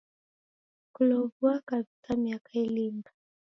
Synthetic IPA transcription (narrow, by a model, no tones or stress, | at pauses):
kulɔvuakavisamiakailimba